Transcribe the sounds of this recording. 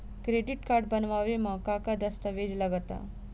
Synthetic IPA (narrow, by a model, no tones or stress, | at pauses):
kɾeɖiʈkaɾɖbənʋaʋeməkakad̪əst̪əʋed͡ʒlaɡət̪a̰